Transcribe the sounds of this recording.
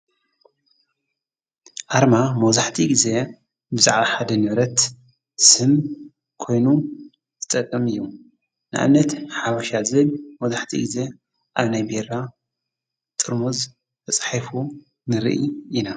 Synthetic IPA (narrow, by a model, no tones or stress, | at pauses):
ʔaɾmamɐwzaħt̪ʰiɡize̞ | bɨza̰ʕbaħad̪ɐnɨβɾɐt̪ | sɨm | kʰo̞jnu | t̪ʰɨt̪ʼɐkʼːɐmɨjːu | na̰ʔa̰nːɐt̪ħaβaʃazɨɨlmɐwzaħt̪ʰḭɡize̞ | ʔaβnajbeɾa | t̪ʼɨɾmuz | t̪ʰɐt͡sʼħafu | nɨɾḭʔḭina